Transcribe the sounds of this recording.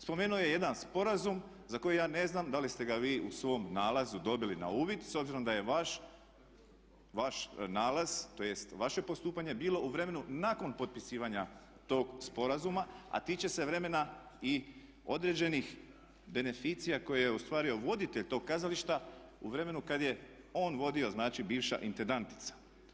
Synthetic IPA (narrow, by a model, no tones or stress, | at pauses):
spo̞menuoje̞je̞d̪anspo̞ɾazum | zako̞jejaːne̞znamd̪alist̪e̞ɡaʋiːusʋo̞mnaːlazud̪o̞bilina̰uːʋid̪so̞bziɾo̞md̪aje̞ʋaʃ | ʋaʃnaːlaz̥t̪ojest̪ʋaʃe̞po̞st̪uːpaɲe̞biːlo̞uʋɾe̞me̞nunaːko̞npo̞t̪̚pisiːʋaɲa | t̪o̞ːɡspo̞ɾazumaa̰t̪iːt͡ɕe̞se̞ʋɾe̞me̞nai | o̞d̪ɾe̞d͡ʑe̞nix | be̞ne̞fiːt̪sijako̞jejeost̪ʋaːɾio̞ʋo̞d̪it̪e̞ʎt̪o̞ːɡ̚kazaliʃt̪a | uʋɾe̞me̞nukad̪je̞ | o̞ːnʋo̞d̪io̞znaːt͡ʃibiːʋʃa̰ʔint̪end̪ant̪i̥t̪sḁ